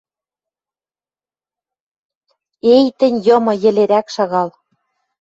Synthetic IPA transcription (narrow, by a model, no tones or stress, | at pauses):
ejt̪ɘ̆nʲjɤ̆mɤ̆jɘ̆leɾækʃɑɣɑl